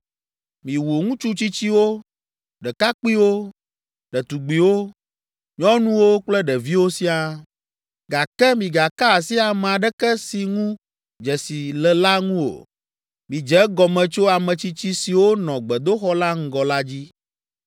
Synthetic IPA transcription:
mĩ˨wo˨ŋũ˦t͡ʃu˦t͡ɕi˦t͡ɕi˦wo˦ | ɖɛ˨ka˦k͡pi˦wo˦ | ɖɛ˨t̪u˨ɡ͡bi˨wo˦ | ɲɔ̃˦nũ˦wo˦k͡plɛ˦ɖɛ˨vi˦wo˦si˦a˨ | ɡa˨kɛ˦mĩ˨ɡa˨ka˦˨si˦a˨mɛ˨a˨ɖɛ˦kɛ˦si˨ŋũ˦ | d͡ʒɛ˨si˨lɛ˨la˦ŋũ˦o̰˨ | mĩ˨d͡ʒɛ˦ɡɔ˨mɛ̃˨t͡ʃo˦a˨mɛ̃˨t͡ɕi˦t͡ɕi˦si˨wo˦nɔ̃˨ɡ͡bɛ˨d̪o˦xɔ˦la˦ŋ̩˦ɡɔ˨la˦d͡ʑi˦

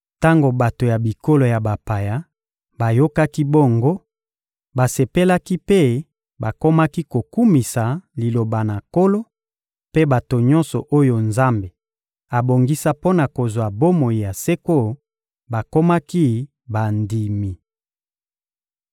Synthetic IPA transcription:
ta˦ŋɡo˨ba˨to˨ja˨bi˨ko˦lo˨ja˨ba˨pa˨ja˦ | ba˨jo˦ka˦ki˦bo˦ŋɡo˦ | ba˨se˨pe˦la˦ki˦pe˦ | ba˨ko˦ma˦ki˦ko˨ku˦mi˨sa˨li˨lo˨ba˨na˨ko˦lo˦ | pe˦ba˨to˨ɲɔ˦nsɔ˨ʔo˦jo˨nza˦mbe˨ | a˨bo˨ŋɡi˦sa˦po˦na˨ko˨zwa˨bo˦mo˨ji˨ja˨se˦ko˦ | ba˨ko˦ma˦ki˦ | ba˨ndi˨mi˨

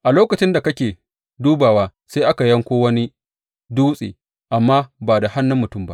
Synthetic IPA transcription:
ʔa˨loː˦kɐ˨t͡ʃɪ˦nda˨kɐ˦kʲeː˨ | duː˦baː˨waː˦seː˦ʔa˦ka˨jɐ˦ŋkʷoː˦wɐ˦ni˦ | duː˦sʼḛː˨ | ʔa˨mːaː˦baː˨da˨ha˦nːʊ˦mːʊ˨tʊ˦˨mba̰˦ʔ

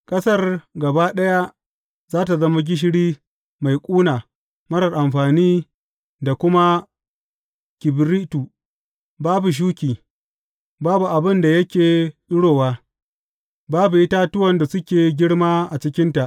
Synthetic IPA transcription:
kʼɐ˦sɐ˦rɡɐ˨baː˦ɗɐ˦ja˦ | zaː˦t̬a˨zɐ˦ma˦ɡ̬ʲɪ˦ʃ̬ɪ˦ɽiː˦ | ma˨jkʷʼuː˦naː˨ | mɐ˦ɽɐ˨rʔa˨mɸaː˨niː˦ | da˨kʷʊ˦ma˦ | kʲɪ˨bɾiː˦tu˨ | baː˦bu˨ʃ̬uː˦kʲiː˨ | baː˦bu˨ʔa˨bɪ˦nda˨jɐ˦kʲeː˨ɗʊ˦ɽoː˨waː˦ | baː˦bu˨ʔɪ˦ta˦tʊ˦wɐ˨nda˨sʊ˦kʲeː˨˦ɡʲɪ˦ɽmaː˦ʔa˨t͡ʃɪ˦kʲɪ˦nta˨ʔ

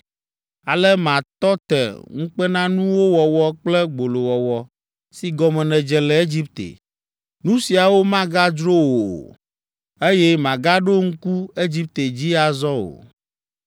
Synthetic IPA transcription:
a˨lɛ˦mã˨t̪ɔ˦t̪ɛ̰˨ŋũ˦k͡pɛ˦nã˦nũ˦wo˦wɔ˨wɔ˦k͡plɛ˦ɡ͡bo˨lo˨wɔ˨wɔ˨ | si˨ɡɔ˦mɛ̃˨nɛ̃˨d͡ʒɛ˨lɛ˨e˦d͡ʑi˦p̚t̪ḛ˨ | nũ˦si˨a˨wo˦mã˦ɡa˦d͡ʒɾo˦wo˨ | e˦jɛ˦mã˨ɡa˦ɖo˦ŋ̩˦ku˦e˦d͡ʑi˦p̚t̪e˨d͡ʑi˦a˨zɔ˦o̰˨

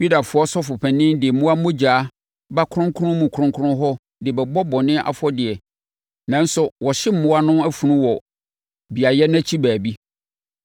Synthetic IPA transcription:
ju˦da˨fʊ˨˦ɔ˦sɔ˦fʊ˨pʰɛ˨nɪ̃˦ndɪ˨mʊ̃˦a˦mʊ̃˦d͡ʑaː˨˦ | ba˦kʰʊ̃˦ŋkʰʊ˦nʊ̃˦mũ˨kʰɾʊ̃˦ŋkʰʊ˦ʊ̃˦ɦɔ˦ | dɪ˨bɛ˨bɔ˦bɔ̃˨nɪ̃˦ʔa̰˨fɔ˦dɪ˨ɛ˨ | nã˨n̩˦sʊ˨wɔ˨ɕɪ˦m̩˨mʊ̃˦a˦nʊ̃˦æ˦fu˨nũ˦wɔ˨ | bi˨a˨jɛ˦næ̃˦t͡ɕʰi˦bæː˨bi˦

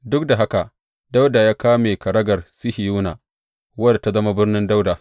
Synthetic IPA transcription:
dʊ˦k̚da˨ɦa˦ka˨ʔ | da˦wdaː˨jaː˦kaː˦meː˨kɐ˨ɾɐ˦ɡɐ˨rsɪ˦hi˨juː˦na˨ | wɐ˦da˨ta˦zɐ˦ma˦bɪ˦rnɪ˦nda˦wdaː˨

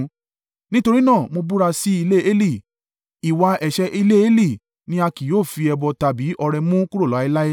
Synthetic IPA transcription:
nĩ˦to˧ɾi˦nãː˦˨mo˧bu˦ɾa˧si˦i˧le˦e˦li˦˨ | i˨wa˧ʔɛ˨ʃɛ˧˦ʔi˧le˦e˦li˦˨ | nĩ˦a˧ki˨joː˦˨fi˧ɛ˧bɔ˧ta˨bi˨˦ʔɔ˧ɾɛ˧mũ˦ku˦ɾo˦˨lɔ˨˦i˧la˦e˦

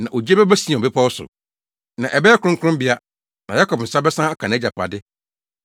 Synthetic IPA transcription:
nã˨ʔo˨d͡ʑi˦e˦bɛ˦bæ˦sĩ˨ɛ˨ɔ˨bɪ˦pʰa˦wɔ˦sʊ̰˨ | nã˨ʔɛ˨bɛ˦ɛ˦kʰʊ˦ʊ̃˦ŋ̩˦kʰʊ˦ʊ̃˦m˦bɪ˨a˦ | nã˨ja˦kɔ˨pn̩˨sa˦bɛ˦sã˦a˦kʰã˨n˨˦d͡ʑa˨pa̰˨dɪ˦

